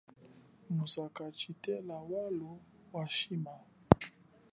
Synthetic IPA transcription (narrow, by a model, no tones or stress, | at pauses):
musakat͡ʃitɛlawalu | waʃima